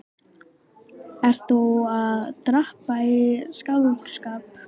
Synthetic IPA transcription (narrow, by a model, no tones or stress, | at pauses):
ɛɾ̥θuaðt̪ɾahpaɪskaðʏkskaːp